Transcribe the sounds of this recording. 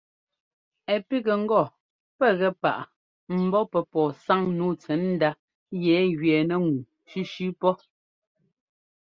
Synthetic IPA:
ɛ˨pi˦ɣɛ˨ŋ̩˦ɡɔ˦˨ | pɛ˦˨ɣɛ˦pa̰˨ʔ | m̩˨bɔ˦pɛ˨pɔː˨sa˦ŋnu˦t͡sɛ˨˦n̩˦da˦ | jɛ˨˦ɣɥɛː˨nɛ˦ŋu˨ | ʃʉ˦ʃʉ˦pɔ˦

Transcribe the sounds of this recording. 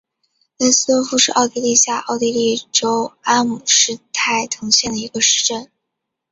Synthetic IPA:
lə˥sɹ̩˥t̪wɔ˥fu˥˧ʂɻ̩˥˧ʔɑ˥˧ʊt̪i˥˧li˥˧ɕja˥˩ʔɑ˥˧ʊt̪i˥li˥˩ʈ͡ʂo˥ʊa˥mu˨˩ʂɻ̩˥˧t̪ʰa˥˩ɪt̪ʰɤ˧˥ŋɕjɛ˥˩nd̪ə˩i˧˥ɡə˧ʂɻ̩˥˧ʈ͡ʂə˥˩n

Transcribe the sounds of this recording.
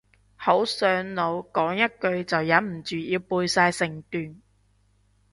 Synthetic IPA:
ho˨˥wsœː˨˧ŋlo˨˧wkɔː˨˥ŋjɐ˥t̚kɵ˧ɥt͡sɐ˨wjɐ˨˥nm̩˨˩t͡ʃyː˨jiː˧wpuː˧jsaː˧jsɪ˨˩ŋt̪yː˨˩n

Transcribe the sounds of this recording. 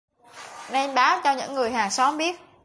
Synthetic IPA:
nɛ˧nɓaː˨˦wt͡ɕɔ˧ɲɨ̰˧˥ŋːɨ˨˩əjhɦaː˨˩ŋsɔ˨˦mɓi˦˥ət̚

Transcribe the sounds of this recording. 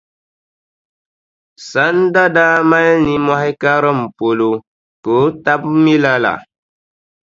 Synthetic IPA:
sa˨˦n˦da˦da˦ma˦ni˨mɔ˦hɛ˦ka˦ɾɨ˦m̩˨po˨lo˨ | ko˨˦ta˦bmi˦la˦la̰˨

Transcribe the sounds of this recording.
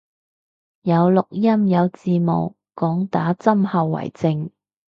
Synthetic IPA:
jɐ˨˧wlʊ˨k̚jɐ˥mjɐ˨˧wt͡siː˧mo̰˨w | kɔː˨˥ŋt̪aː˨˥t͡sɐ˥mhɐ˨˧wːɐ̰˨˩jt͡sɪ˧ŋ

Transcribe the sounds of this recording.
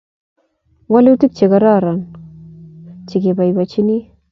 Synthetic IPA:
wa˦le˦u˦ti˦k̚t͡ʃe˨ɡa˦ɾa˦ɾa˨n | t͡ʃi˨ɡe˨ba˨jba˨t͡ʃi˦ni˦

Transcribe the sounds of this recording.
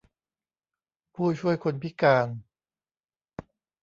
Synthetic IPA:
pʰuː˥˩t͡ɕʰu˥˩əjkʰo˧npʰi˦˥kaː˧n

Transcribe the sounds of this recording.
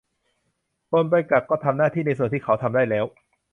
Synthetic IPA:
po˧npa˧jka˨˩k̚kːɔː˥˩t̪ʰa˧mnaː˥˩iː˥˩na˧js̬u˨˩nt̪ʰiː˥˩kʰa˦˥wt̪ʰa˧mdaː˥˩jlɛː˦˥w

